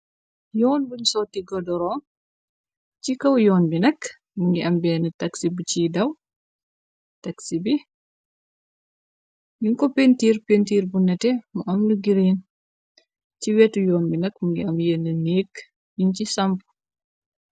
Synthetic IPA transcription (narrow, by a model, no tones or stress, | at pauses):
jɔːnbuɲsɔːtːiɡɔdɔɾɔːm | t͡ʃcikɐwjɔːnbinɐk | muŋɡiʔɐmbɛːnətɐksibut͡ʃidɐw | tɐksibi | jiŋkɔpentiːɾpentiːɾbunɐtɛmuʔɐmnuɡiɾin | ciwɛtujɔːnbinɐkmuŋɡiɐmjenəniːk | jincisɐmpu̥